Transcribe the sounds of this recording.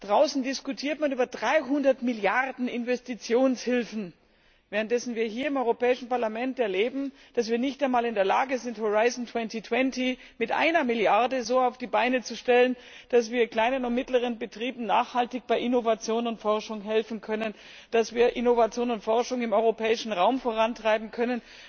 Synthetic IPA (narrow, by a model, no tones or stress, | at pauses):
d̥ʁaʊsn̩dɪskutʰiːɐtmanʔyːbɐdʁaɪɦʊndɐtmɪljaʁdn̩ɪnvɛstit͡sjoːnshɪlfn̩ | vɛːʁənt̚d̥ɛsn̩viːɐɦiːɐɪmʔɔʏʁopɛːɪʃn̩paɐlamɛntɛɐleːbm̩ | d̥as̬v̥iːɐnɪçtaɪnmaːlɪndeːɐlaːɡəzɪnthoʁaɪzn̩tʰw̥ɛntitʰw̥ɛnti | mɪtʔa̰ɪnɐmɪljaɐdəzoːaʊfd̥iːbaɪnət͡suʃtɛlən | d̥asv̥iːɐkl̥aɪnənʊntmɪtləʁ̞ənbətʁ̥iːbm̩na̰ːχhaltɪçb̥aɪʔɪnovat͡sjoːnʊntfɔɐʃʊŋɦɛlfn̩kʰœnən | d̥asv̥iːɐʔɪnovat͡sjoːnʊntfɔɐʃʊŋɪmɔʏʁopʰɛːɪʃn̩ʁaʊmfoːʁ̞antʁ̥aɪbm̩kʰœnən